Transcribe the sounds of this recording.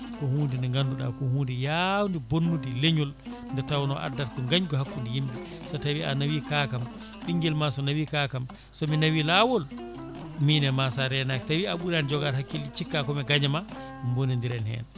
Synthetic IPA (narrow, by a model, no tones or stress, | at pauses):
kɔhuːndɛndɛŋɡanduɗa̰kɔhuːndijawndibonːudileɲul | ndɛtawnɔ̰ʔa̰dːaɾkɔŋɡaɲɡɔɦakːundijimbi | sɔtawianawikaːkam | ɗiŋɡɛlmasɔnawikakam | sɔminawilawɔl | minɛmasaɾɛnaktawiaɓuɾand͡ʒɔɡaɾhakːilit͡ʃikːakɔmɛɡaɲama | mbonindiɾɛnhɛ̰n